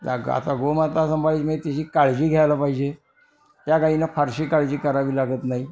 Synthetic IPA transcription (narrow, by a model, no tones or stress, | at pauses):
la̰ɡə̰a̰t̪aɡomat̪asəmbalit͡sməet̪eɕiːkaɭd͡ʑiːɡʱjajlapaɦid͡ʑe | t̪jakainafəɾɕiːkaɭd͡ʑiːkəɾaʋiːlaɡəːt̪naɦi